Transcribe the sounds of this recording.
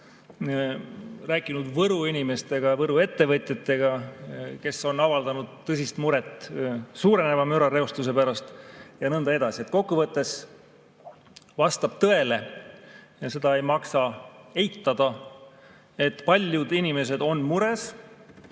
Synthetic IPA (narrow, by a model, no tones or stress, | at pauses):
ræːkːˑinud̪vɤɾuinʲime̞st̪e̞ɡ̥ɑvɤɾue̞t̪ːe̞vɤt̪ʲjɑt̪ːˑe̞ɡ̥ɑke̞so̞nɑvɑld̪ɑnud̪̥t̪ːɤs̬ʲist̪muɾe̞t̪ːˑsuːɾene̞vɑmøɾɑɾe̞ost̪us̬e̞pæɾɑst̪jɑnɤnd̪ɑe̞d̪̥ɑsie̞t̪̚ko̞kːuvɤt̪ˑːe̞s | vɑst̪ɑb̥̚t̪ɤ̞e̞le̞ | jɑse̞d̪̥ɑe̞jmɑksɑe̞jt̪ːɑd̪̥ɑ | e̞t̪ːpɑlʲjud̪̥inime̞s̬e̞d̪̥o̞nmuɾe̞s